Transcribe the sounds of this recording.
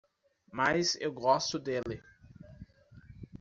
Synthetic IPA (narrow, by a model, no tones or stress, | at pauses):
majzḛwɡɔst̪ʊd̪elɪ